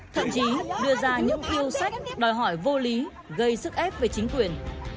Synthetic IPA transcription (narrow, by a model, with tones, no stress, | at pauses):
t̪ʰə̰˧˨mt͡ɕi˨˦ɗɨ˧əzaː˧ɲɨ̰˧˥ŋt̪i˧əwsa˦˥jk̟̚ɗɔ˨˩jɦɔ˧˩jvo˧li˨˦ | ɣə˧jsɨ˦˥k̚ʔɛ˦˥p̚ve˨˩t͡ɕï˨˦ŋ̟kwi˨˩ən